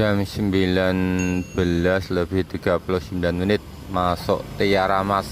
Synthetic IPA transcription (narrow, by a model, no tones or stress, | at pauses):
d͡ʒamsəmbilanb̥əlasləb̥ɪht̪iɡ̥a̤pulɔhsəmbilanminɪt̪̚ | masɔ̰ʔt̪ijaɾamas